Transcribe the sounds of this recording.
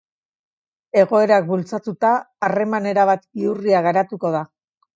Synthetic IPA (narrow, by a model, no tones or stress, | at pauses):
e̞ɣ̞o̞e̞ɾak̚bult͡sat̪ut̪aː | re̞mane̞ɾaβ̞at̪iuriaɣaɾat̪uko̞ð̞a